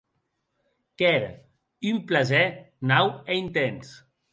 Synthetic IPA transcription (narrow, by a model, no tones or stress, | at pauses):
kɛɾə̰ | ymplazɛnaweint̪ens